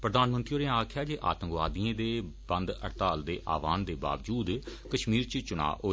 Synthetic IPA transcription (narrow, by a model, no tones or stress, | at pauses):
pɾəd̪aːnmə̃nt̪ɾioːɾẽãaːkʰjaːd͡ʒeːʔa̰ːt̪ə̃ŋkʋaːd̪iẽːd̪eːb̥ə̃nd̪ə̰ɾt̪aːld̪ḛːʔa̰ːʋaːnd̪eːba̰ːʋd͡ʒuːd̪kəʃmiːɾt͡ʃt͡ʃʊɽa̰ːʔoː